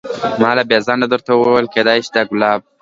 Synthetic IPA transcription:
mɑlabjezɑndad̪əɾt̪awəwawəlked̪ɑjʃid̪aɡʊlɑb̚

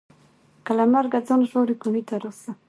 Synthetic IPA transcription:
kalamaɾɡad͡zonʒoɾikumit̪aɾosa

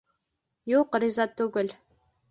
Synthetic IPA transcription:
juqɾʲizɑt̪ːuɡɘ̆lʲ

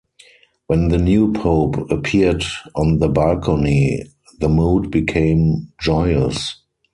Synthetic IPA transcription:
wɛ̃nðənjuːpʰoʊpəpʰidɔ̃nðəbalkʰɔni | ðəmuːdbikʰẽɪ̃md͡ʒɔɪəs

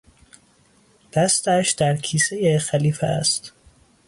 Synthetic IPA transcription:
d̪̥æst̪æʃd̪̥æɾkʰiːsejexæliːfæ̰æ̰st̪

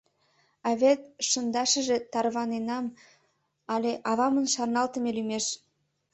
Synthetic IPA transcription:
ɑβʲet̪ʃənd̪ɑʃəʒe̽t̪ɑrβɑnenɑm | ɑlʲeʔɑβɑmənʃɑrnɑlt̪əmelymeʃ

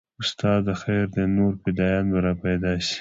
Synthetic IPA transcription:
ʊst̪ɑd̪əxejɾd̪ənoɾpɪd̪ɑjɑnbəɾapajd̪ɑʃi̥

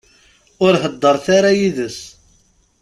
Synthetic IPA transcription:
ʊɾɦəd̪ːəɾˤθaɾajiðəs

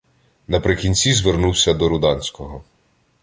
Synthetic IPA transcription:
nɐpɾɪkʲinʲt͡sʲizʋernuwsʲɐd̪ɔɾʊd̪ɑnʲsʲkɔɦɔ

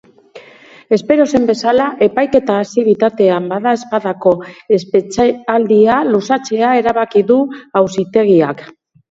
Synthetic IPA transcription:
e̞spe̞ɾo̞se̞mbe̞salaʔe̞pajke̞t̪aːsiβ̞it̪at̪e̞ambaðae̞spaðako̞espeald̪ialusat͡se̞ae̞ɾaβ̞akiðuawsit̪e̞ɣ̞iak

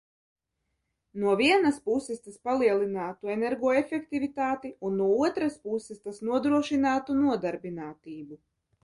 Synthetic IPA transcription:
nuɔviɛnaspusːɛst̪aspalˠiɛlˠinaːt̪uenɛɾɡɔːefɛkt̪ivit̪aːt̪iunːuɔuɔt̪ɾaspusɛst̪asnuɔd̪ɾuɔʃinaːt̪unuɔd̪aɾbinaːt̪iːbu

